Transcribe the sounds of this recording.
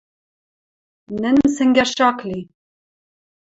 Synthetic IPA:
nɨnsɨŋɡʲɛɾʃɑːkli

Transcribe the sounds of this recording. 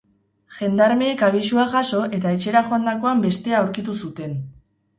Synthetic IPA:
ʝe̞nd̪aɾme̞ːkaβiʃuaʝaso̞ʔe̞t̪aet͡ʃe̞ɾaʝo̞and̪ako̞ambe̞st̪e̞aːwɾkit̪usut̪e̞n

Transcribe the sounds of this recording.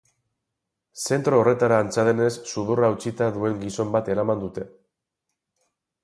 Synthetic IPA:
se̞nt̪ɾo̞ːre̞t̪aɾaːnt͡saðe̞ne̞sːuð̞uraut͡sit̪aðue̞ŋɡiso̞mbat̪e̞ɾamand̪ut̪e̞

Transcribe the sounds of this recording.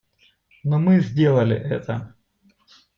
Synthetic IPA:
nomɨzʲdʲelˠɐlʲɪ̰ʔɛt̪ə

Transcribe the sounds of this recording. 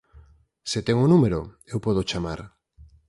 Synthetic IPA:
sɪt̪ɛŋʊnumeɾo | ewpɔðot͡ʃamaɾ

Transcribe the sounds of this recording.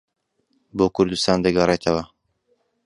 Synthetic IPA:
boːkʰʊɾd̪ust̪aːnd̪ɐɡɐret̪ʰɐwɐ

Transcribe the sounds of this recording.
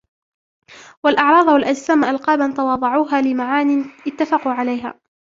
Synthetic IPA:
walʔɑʕɾˤɑːd̪ˤwalʔad͡ʒsaːmʔalqɑːbant̪awɑːðˤɑʕuːɦaːlɪmaʕaːniʔɪt̪ːafɑquːʕalajɦa̰ː

